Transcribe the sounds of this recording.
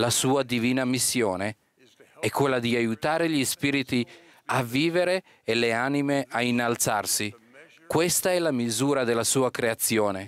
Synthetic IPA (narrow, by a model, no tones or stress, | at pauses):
lasuːad̪iviːnamisːjoːne | ɛkːwelːad̪iajut̪aːɾeʎispiːɾit̪i | avːiːveɾeː | leaːnimeʔainːalt̪sa̰rsi | kwest̪aɛlamizuːɾad̪elːasuːakɾeat̪sːjoːne